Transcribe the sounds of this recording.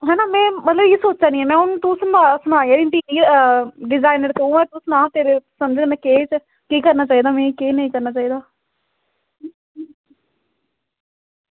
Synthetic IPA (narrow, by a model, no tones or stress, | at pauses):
ɦɛːnaːmɛ̃ːmət̪ləbiːsoːt͡ʃt͡ʃaːnĩːɛːmɛ̃ːʊnũːt̪usənasʊnaːiaːĩʈiːʋiːɖɪzaːinəɾt̪õːɛ̃ːt̪ʊsʊnãːt̪eːɾeːsəməd͡ʒenɛːkeːt͡ʃ | kiːkəɾnaːt͡ʃaːiːd̪aːmɛ̃ːkeːnəĩːkəɾnaːt͡ʃaːiːd̪aː